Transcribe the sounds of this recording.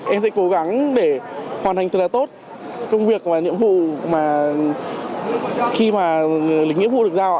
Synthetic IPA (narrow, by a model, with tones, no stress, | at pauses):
ʔɛ˧msɛ̰˧˥ko˨˦ɣa˨˦ŋɗe˧˩hwaː˨˩nt̪a˨˩ŋ̟ɨ˨˩laː˨˩t̪o˦˥t̚ | kə˧wŋ͡mvi˨˩ək̚vaː˨˩nḭ˧˨əmvṵ˧˨maː˨˩ | xi˧maː˨˩lï̟˨˦ŋi˧˥əv̰k̚zaː˧w